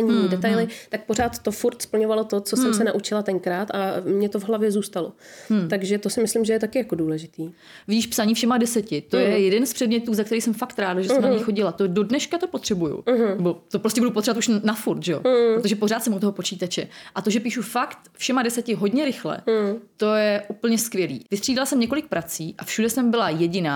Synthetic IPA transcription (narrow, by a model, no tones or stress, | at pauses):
ɲiɲidɛt̪ajlɪt̪ak̚po̞ɾaːt̪ːo̞fuɾt̪spl̩ɲo̞valot̪ot͡sossɛmsɛnaʔut͡ʃɪlat̪ɛŋkɾaːt̪amɲɛt̪ovɦlavjɛzuːst̪alot̪aɡʒɛt̪o̞sɪmɪslɪmʒɛjɛt̪akɪjakoduːlɛʒɪt̪iː | vɪɟiːʃpsaɲiːfʃɛmadɛsɛcɪt̪ojɛjɛdɛnspr̥ɛdmɲɛt̪uːzakt̪ɛɾiːsɛmfakt̪ɾaːdaʒɛssɛmnaaɲɛjxo̞ɟɪlat̪odo̞dnɛʃkat̪o̞pot̪r̥ɛbujṵnɛbo̞t̪opɾo̞scʲɛbudupot̪revat̪ʔuʃnafuɾt̪ʒɛjo̞pɾɾot̪oʒɛpor̝aːt̪sɛmut̪oɦo̞po̞t͡ʃiːt̪at͡ʃɛʔat̪o̞ʒɛpiːʃufakt̪fʃɛmadɛsɛcɪɦo̞dɲɛɾɪxlɛ̰t̪o̞jɛʔupl̩ɲɛskvjɛlḭːvɪst̪r̥iːdalasɛmɲɛko̞lɪk̚pɾat͡siːʔafʃudɛsɛmbɪlajɛɟɪnaː